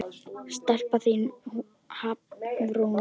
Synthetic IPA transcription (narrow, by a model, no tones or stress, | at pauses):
st̪ɛr̥paθin | haːpvɾun